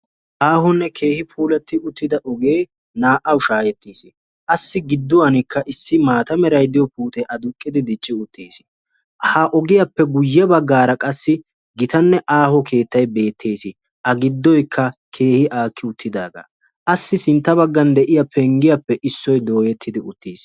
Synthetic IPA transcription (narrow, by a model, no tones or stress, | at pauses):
ʔaːɦɔnːɛkʰe̞ːhɪpʰuːlɛt̪ːɪʔʊt̪ːɪd̪ɐʔɔɡe̞ː | naːʔɐwʃaːjɛt̪ːiːsɪ | ʔɐsːɪɡɪd̪ːʊwanɪkːɐʔɪsːɪmaːt̪ɐmɛɾɐjd̪ɪjɔpuːt̪ɛʔɐd̪ʊkʼːɪd̪ɪd̪ɪt͡ʃʼːɪʊt̪ʰːeːsɪ̥ | hɐʔɔɡɪjɐpːɛɡʊjːɛbɐɡːaːɾɐkʼɐsːɪ | ɡɪt̪ɐnːɛʔaːhɔkʰe̞ːt̪ːɐjbe̞ːt̪ʰːeːsɪ | ʔɐɡɪd̪ːɔjkʰːɐkʰe̞ːhɪʔaːkʰːɪʊt̪ʰːɪd̪aːɡa̰ | ʔɐsːɪsɪnt̪ːɐβɐɡːɐnd̪ɛʔɪjɐpʰɛŋɡɪjɐpːɛʔɪsːɔjd̪o̞ːjɛt̪ʰːɪd̪ɪʊt̪ʰːiːs